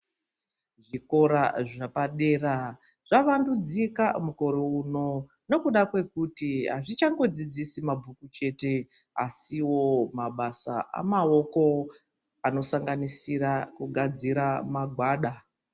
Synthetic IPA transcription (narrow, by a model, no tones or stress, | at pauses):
ʐiko̞ɾaʐapaɗe̞ːra | ʐ̥aʋandud͡zikamuko̞ɾouno̞ | ne̞kuɗakwe̞kutiɦaʐit͡ʃaŋɡo̞d͡zid͡zisimabʱukut͡ʃe̞te̞ | asiwo̞maɓasa̰ʔa̰mao̞ko̞ | ano̞saŋɡanisirakuɡʱad͡ziɾamaɡʱwaːɗa